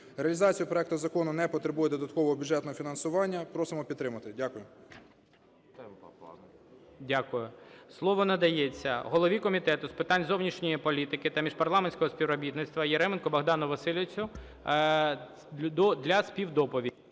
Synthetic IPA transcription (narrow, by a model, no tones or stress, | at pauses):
ɾeɐlʲɪzɑt͡sʲijʊpɾɔɛk̚t̪ʊzɐkɔnʊnɛpɔt̪ɾebujɛd̪ɔd̪ɐt̪kɔʋɔɦɔbʲjʊdd͡ʒɛt̪nɔɦɔfʲinɐnsʊʋɑnʲːɐpɾɔsɪmɔpʲid̪t̪ːɾɪmɐt̪ɪdʲakʊjʊ | dʲakʊjʊslˠɔʋɔnɐd̪ɐjɛt͡sʲːɐɦɔlˠɔʋʲikɔmʲit̪ɛt̪ʊspɪt̪ɑnʲzɔwnʲiʃnʲijipɔlʲit̪ɪkɪt̪ɐmʲiʒpɐrlˠɑmenʲsʲkɔɦɔspʲiʋwrɔbʲit̪nɪt̪st̪ʋɐjeɾɛmenkɔbɐɦd̪ɑnʊʋɐsɪlʲɪt͡sʲʊ | d̪ɔd̪lʲɐsʲpʲiwd̪ɔpɔʋʲi